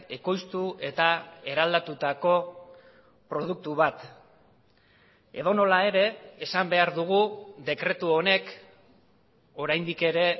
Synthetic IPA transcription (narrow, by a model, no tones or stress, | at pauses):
e̞ko̞jst̪ue̞t̪ae̞ɾald̪at̪ut̪ako̞ | pɾo̞ð̞uk̚t̪uβat̪ | e̞̰ðo̞no̞lae̞ɾe̞ːsambe̞aɾðuɣ̞uðe̞kɾe̞t̪uo̞ne̞k | o̞ɾajnd̪ike̞ɾe̞